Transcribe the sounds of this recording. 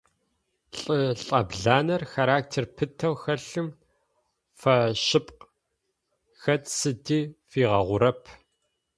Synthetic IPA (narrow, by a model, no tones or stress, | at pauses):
ɬʼɨɬʼɐbɮaːnɐrxaɾaːk̚tʰeːrpʰɨtʰɐwxɐɬɨm | fɐʃɪpʼq | xɐtsɨdiːfiːʁɐʁʷʊɾɐpʰ